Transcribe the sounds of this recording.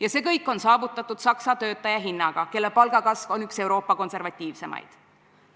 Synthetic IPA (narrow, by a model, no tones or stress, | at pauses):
jɑse̞ːkɤjkˑːo̞nsɑːvut̪ːˑɑt̪ːˑud̪̥sɑksɑt̪ø̞ːt̪ːˑɑjɑɦinːɑɡ̥ɑke̞lːepɑlɡ̥ɑkɑsvo̞nykse̞wɾo̞ːpːɑko̞nse̞rvɑt̪ʲːˑiːvse̞mɑ̰jd̪̥